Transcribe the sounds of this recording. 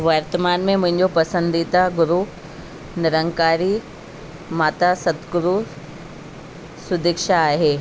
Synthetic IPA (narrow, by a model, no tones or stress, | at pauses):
ʋɐɾt̪əmaːnmẽmʊ̃ɦɪ̃ɲd͡ʑopɐsə̃nd̪it̪aɡʊɾu | nɪɾə̃ŋkaːɾi | maːt̪asɐt̪ɡʊɾu | sʊd̪ɪkʃaaːɦeː